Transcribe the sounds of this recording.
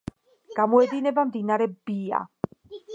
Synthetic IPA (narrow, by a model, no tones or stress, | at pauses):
ɡ̥amɔɛd̪inɛbamd̪inaɾɛbia̰